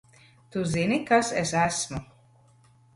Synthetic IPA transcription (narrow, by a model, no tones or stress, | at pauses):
t̪uzinikasesæsmu